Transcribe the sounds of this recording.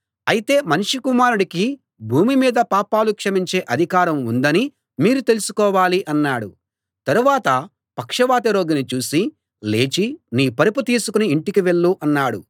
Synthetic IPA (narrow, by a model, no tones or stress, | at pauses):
ɐjit̪e̞ːmɐnʂikumaːɾuɽiki | bʱuːmimiːd̪ɐpaːpaːlukʂɐmiɲt͡ʃe̞ːʔɐd̪ʱikaːɾɐmund̪ɐni | miːɾut̪e̞lusu̥kɔːʋaːliʔɐnːaːɽu | t̪ɐɾuʋaːt̪ɐ | pɐkʂɐʋaːt̪ɐɾo̞ːɡinit͡ʃuːsi | le̞ːt͡ʃiniːpɐɾiput̪iːsukuniːɳʈikiʋe̞ɭːuʔɐnːaːɽṵ